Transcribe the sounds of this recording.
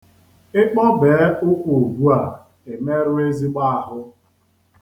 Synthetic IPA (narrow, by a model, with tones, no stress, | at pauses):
ɪ˦k͡pɔ˦beː˨˦ʊ˦kʷo˨o˨ɡʷu˦a˨ | e˨me˦ɾʊ˦e˦zi˦ɡ͡ba˦a˨ɦʊ˦